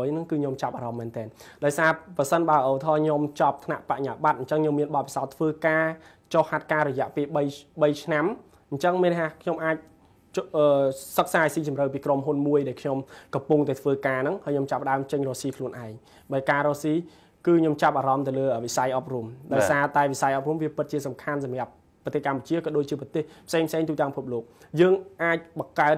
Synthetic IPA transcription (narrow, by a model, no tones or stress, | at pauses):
jnɨŋkɨːɲomt͡ɕap̚ʔaːɾɑmːɛnt̪ɛːnɗaɔjsaːprɑsənɓaəʔoʋət̪ʰɑːɲomt͡ɕɑp̚t̪ʰnaʔpaʔɲaːɓat̪̚ɲt͡ɕəŋɲomːiənɓɑt̪̚pisaɔt̪ʰːʋəːkaː | t͡ɕohːat̪̚kaːɾɔjɛ̆əʔpeːlɓəjɓəjt͡ɕʰnam | ɲt͡ɕəŋmeːnhaːkʰɲomʔaːc̚ | ʔəːsək̚saːsiːt͡ɕɑmrəwpiːkromɦunmuəjɗaɛlkʰɲomkɑmpuŋt̪aɛt̪ʰʋəːkaːnɨŋhaəjɲomt͡ɕapːəɗaəmt͡ɕəŋrɔːsiːkʰluənʔaɛŋ | ɓakaːɾɔːsiː | kɨːɲomt͡ɕap̚ʔaːɾɑmt̪ɨwləːəːʋisajʔɑp̚rumɗaɔsaːt̪aɛʋisajʔɑp̚rumʋiəpɨt̪̚t͡ɕiəsɑmkʰansɑmĕap̚ː | ɑt̪eːhkamput͡ɕiəkɑːɗoːc̚t͡ɕiəprɑt̪eːhpʰseːŋpʰseːŋt̪uːt̪aəŋpʰup̚loːk̚jəːŋʔaːc̚ɓɑkaət̪̚